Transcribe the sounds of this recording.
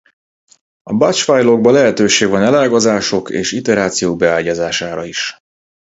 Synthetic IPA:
ɒbat͡ʃfajlo̞ɡ̚bɒlɛɦɛt̪øːʃeːɡvɒnɛlaːɡozaːʃo̞kḛːʃit̪ɛɾaːt̪sijoːɡ̚bɛaːɟazaːʃaːɾɒiʃ

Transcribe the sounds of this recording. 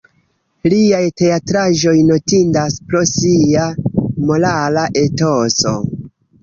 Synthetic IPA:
liajte̞atɾaʒo̞jno̞tindaspɾo̞siamo̞lalaʔe̞to̞so̞̰

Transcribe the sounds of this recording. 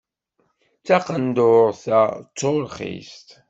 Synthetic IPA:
t͡saqənd̪ʊɾθæt͡sːolχḭst̪

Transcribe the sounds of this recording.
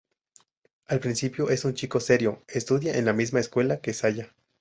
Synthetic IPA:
alpɾinsipjoʔesunt͡ʃiko̞se̞ɾjoest̪uðjaʔenlamizmaeskwe̞lakesaʝa

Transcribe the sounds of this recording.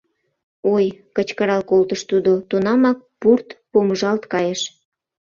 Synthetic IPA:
ojkət͡ɕkəɾɑlkolt̪əʃt̪ud̪ot̪unɑmɑk̚purt̪pomʒɑlt̪kɑjeʃ

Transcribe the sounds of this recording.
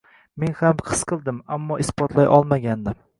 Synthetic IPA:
menhamqʰɨ̥sqʰɨlˠd̪ɪmamːɒɪspɒt̪ʰlajʔɒlˠmaɡʲand̪ɪm

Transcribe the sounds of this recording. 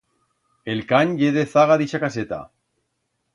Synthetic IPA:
elkaɲjeðeθaɣaðiʃakaset̪a̰

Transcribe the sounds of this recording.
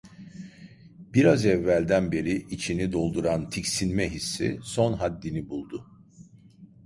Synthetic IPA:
b̥iɾazɛvːælʲd̪ænbe̞ɾiʔit͡ʃʰinid̪o̞lˠd̪uɾant̪ʰicsinmɛɦisːḭso̞nɦad̪ːinibulˠd̪ʊ

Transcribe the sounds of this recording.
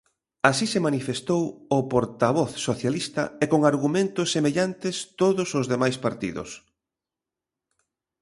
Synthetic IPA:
asisemanifest̪owʊpoɾt̪aβ̞ɔθsoθjalist̪ɐekoŋaɾɣumẽnt̪ʊsːemeʎant̪est̪oðʊsozðemajspaɾt̪ḭðʊ̰s

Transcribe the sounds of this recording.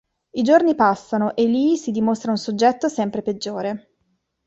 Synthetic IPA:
id͡ʒornipasːanoʔelːiːsid̪imost̪ɾaunsod͡ʒːɛt̪ːosɛmpɾeped͡ʒːoːɾe

